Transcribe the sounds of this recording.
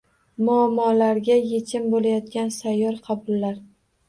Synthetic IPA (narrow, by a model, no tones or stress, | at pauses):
mʊamːɒlaɾɡʲajet͡ʃʲʰɪmbolajɒt̪̚kʲansajːɒɾqʰɑbʊlːaɾ